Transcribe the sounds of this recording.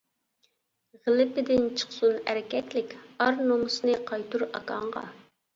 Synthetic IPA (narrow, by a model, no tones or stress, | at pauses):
ʁəlɪpɪd̪ɪnt͡ʃʰə̥χsunæɾɪkʲɛt̪lɪkʲɑɾnomʊsɨnɨqʰɑjt̪uɾɑ̰kɑɴʁɑ̰